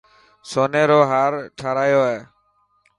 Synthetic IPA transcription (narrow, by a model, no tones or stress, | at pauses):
soːneːɾoːɦaːɾʈʰaːɾaːjoːɦeː